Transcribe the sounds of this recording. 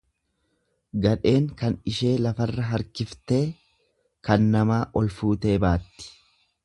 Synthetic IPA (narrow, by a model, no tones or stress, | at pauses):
ɡɐᶑe̞ːŋkɐnɪʃe̞ːlɐfɐrːɐɦɐɾkɪft̪e̞ː | kɐnːɐmaːʔɔlfuːt̪e̞ːbaːt̪ːɪ̥